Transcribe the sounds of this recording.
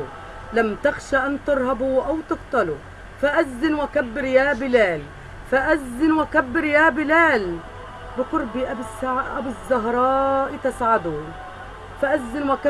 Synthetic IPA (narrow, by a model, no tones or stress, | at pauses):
lamt̪ɪxʃaʔant̪ɨɾˤɦabuʔawt̪ɨqt̪ˤɑlu | faʔazːɪnwakabːɪɾjaːbɪlaːl | faʔazːɪnwakabːɪɾjaːbɪlaːl | bɪqʊɾbiʔsʔa̰bɪzːɑɦɾˤɑːʔjt̪asʕad̪uː | faʔazːɪnwaka